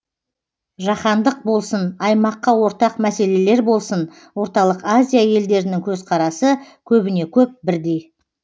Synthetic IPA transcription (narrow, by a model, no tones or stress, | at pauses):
ʒɑχɑnd̪əq̚bo̞lˠsənɑjmɑqːɑwo̞ɾt̪ɑqmæse̞le̞le̞ɾbo̞lˠsən | wo̞ɾt̪ɑlˠəqazʲijaje̞ld̪e̞ɾɪnɪŋkʲʰɵzqʰɑɾɑsəkʲʰɵbɪne̞kʲʰɵp̚bɪɾd̪e̞j